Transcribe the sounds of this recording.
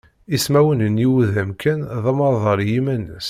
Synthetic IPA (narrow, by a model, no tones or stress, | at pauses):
ismæwənənjiwðæmkʰænðɑmɑðˤɑɾˤjimænːəs